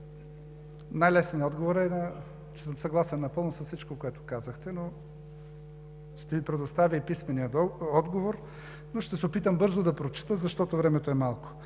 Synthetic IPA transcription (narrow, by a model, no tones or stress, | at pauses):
najlɛsniɔd̪ɡovoɾɛnɐ | t͡ʃɛsəmsɐɡlˠasɛnːɐpɤlˠnʊsɐssit͡ʃkokoɛt̪o̥kazɐxt̪ɛno | ʃt̪ɛvipɾɛd̪ost̪avʲiipismɛniəd̪ɔd̪ɡovoɾ | noʃt̪ɛsɛopit̪əmbɤɾzod̪ɐpɾot͡ʃi̥t̪əzɐʃt̪ɔt̪ovɾɛmɛt̪oɛmalˠko̥